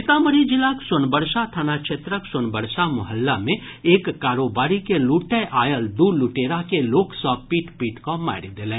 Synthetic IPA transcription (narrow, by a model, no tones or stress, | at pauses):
ɪt̪aːməɾid͡ʒɪlaksʊnbəɾʃat̪ʰaːnaʃʰeːt̪ɾəksʊnbəɾʃamʊɦəlːamẽ | eːkːaːɾoːbaːɾikeluːʈɛʔaːjəld̪uluʈeːɾakeloːksɔːk̚piːʈpiːʈkɔːa̰ːɪɾd̪eːlẽː